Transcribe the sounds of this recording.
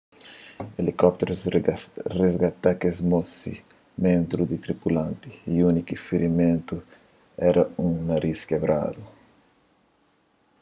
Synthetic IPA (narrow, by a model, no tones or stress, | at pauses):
elikɔp̚t̪eɾus | rezɡat̪akezmosi | mẽnt̪ɾud̪it̪ɾipulãnt̪iiunikifiɾimẽnt̪u | ɛɾɐũŋnaɾiskebɾa̰d̪u